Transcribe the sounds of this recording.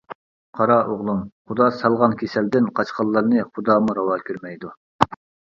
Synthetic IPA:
qʰɑɾɑʔoʁlˠumχud̪ɑːsɑlˠʁɑnkʲʰesɛld̪ɪnqʰɑt͡ʃqɑlˠːɑɾnɨχud̪ɑːmuɾɑwɑːkʲʰøɾmɛjd̪u

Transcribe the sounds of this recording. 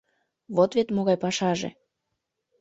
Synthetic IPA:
βot̪βet̪moɣɑjpɑʃɑʒḛ

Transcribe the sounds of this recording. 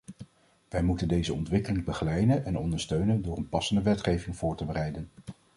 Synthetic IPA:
ʋɛjmutəndejzəɔntʋɪkəlɪŋbəχəlɛjdənɛnɔndəɹstøɥnəndʊːɹənpɑsəndəʋɛtχejvɪŋv̥ʊːɹtəbərɛjdən

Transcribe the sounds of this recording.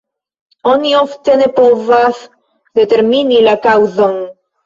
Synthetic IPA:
onioft̪enepovaθ | d̪et̪eɾminilakawðoŋ

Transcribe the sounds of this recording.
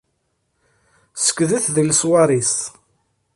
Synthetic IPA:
sə̥kːðəθðəlswɑɾˤis

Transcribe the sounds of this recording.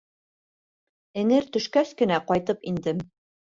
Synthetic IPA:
ɘ̆nɘɾt̪ɵ̆ʃkæskɘ̆næqɒjt̪ɤpind̪ɘm

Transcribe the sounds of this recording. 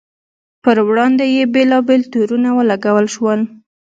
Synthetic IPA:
pəɾwɽɑnd̪ejebelɑbelt̪uɾunawəlaɡawəlʃwəl

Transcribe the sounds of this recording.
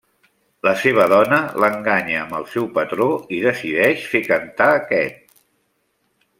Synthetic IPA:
ləseβ̞əðɔnələŋɡaɲəːmbəlˠsɛwpət̪ɾoiðəsiðɛʃfekənt̪aəkɛt̪̚

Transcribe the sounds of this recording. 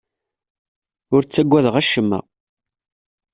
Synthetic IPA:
ʊɾt͡sːæɡʷːæðʁæʃːəmːə̰

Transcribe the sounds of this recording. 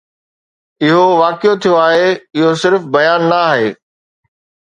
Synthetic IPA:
ɪɦoʋaːkɪjot̪ʰijoaːɦeɪɦosɪɾfbɐjaːnːɐaːɦeː

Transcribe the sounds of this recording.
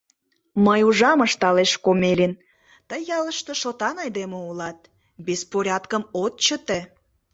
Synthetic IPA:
məjuʒɑməʃt̪ɑleʃkomelen | t̪əjːɑləʃt̪əʃot̪ɑnɑjd̪emoulɑt̪̚ | bespoɾʲɑt̪kəmot̪t͡ɕət̪e

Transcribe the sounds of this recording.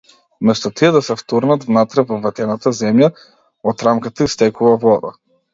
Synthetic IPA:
mɛst̪ɔt̪iɛd̪asɛft̪uɾnat̪vnat̪ɾɛvɔvɛt̪ɛnat̪azɛmja | ɔt̪ɾamkat̪aist̪ɛkuvavɔd̪a̰

